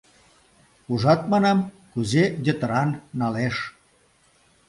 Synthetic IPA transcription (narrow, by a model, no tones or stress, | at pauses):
uʒɑt̪̚mɑnɑm | kuzed̪ʲet̪əɾɑnːɑleʃ